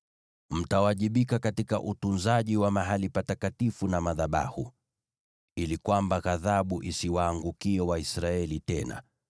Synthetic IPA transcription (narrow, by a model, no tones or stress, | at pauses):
m̩tawaʄiɓikakatika̰ʔutunzaʄiwamaɦalipatakatifunamaðaɓa̰hṵ | ilikwambaɣaðaɓuʔisiwaːŋɡukiɛwaisɾaɛlitɛna̰